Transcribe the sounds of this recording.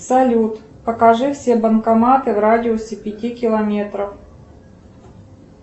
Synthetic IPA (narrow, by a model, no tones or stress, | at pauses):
sɐlʲut̪ | pəkɐʐɨfsʲebənkɐmat̪ɨvɾadʲɪosʲɪpʲɪtʲikʲɪlˠɐmʲe̞t̪ɾəf